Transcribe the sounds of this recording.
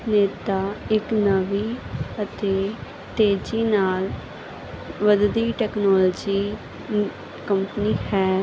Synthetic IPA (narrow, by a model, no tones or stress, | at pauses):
neːt̪aːɪknəʋiːət̪eː | t̪eːd͡ʒiːnaːl | ʋəd̪d̪iːʈɛːknɔːlːd͡ʒiː | kəmpəniːhɛː